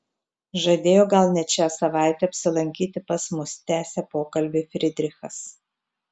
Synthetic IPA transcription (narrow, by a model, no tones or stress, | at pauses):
ʒɐd̪ʲeːjoːɡɐlˠnʲɛt͡ʃʲæːsɐʋɑˑɪt̪ʲɛɐpʲsʲɪlˠɐŋʲkʲiːt̪ʲɪpɐsmʊst̪ʲæːsʲɛpoːkɐlʲbʲɪfʲɾʲɪd̪ʲɾʲɪxɐs